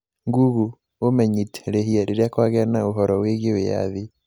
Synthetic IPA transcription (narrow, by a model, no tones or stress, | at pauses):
ŋɡuɣu | omɛɲitʰeɾeɦiaɾeɾeakwaɣɛanaoɦɔɾɔweɣeweja̰ði